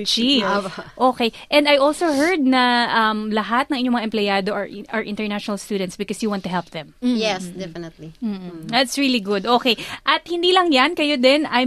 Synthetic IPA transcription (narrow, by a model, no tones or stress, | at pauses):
t͡ʃiʔoːkejʔɛnd̪ɐjʔolsoɦɛɹd̪̚nɐʔɐmlɐɦat̪̚nɐ̃ŋʔɪɲomɐŋaʔɛmplɛjaːd̪oʔɐʔɐɹʔɪ̰̃nt̪ɛɹnaʃɔnɐlst̪uːd̪ɛ̃nt̪sbɪkɔsjuwɑ̃nt̪ʊɦɛlp̚ðɛ̃mjɛsd̪ɛfɪnɛt̪lim̩ːðɐt̪sɹiliɡʊd̪ʔoːkejʔɐt̪̚hɪnd̪iːlɐŋjankɐjod̪ɛnɐj